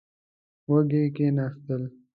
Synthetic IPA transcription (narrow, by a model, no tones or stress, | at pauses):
wɐɡekenast̪əl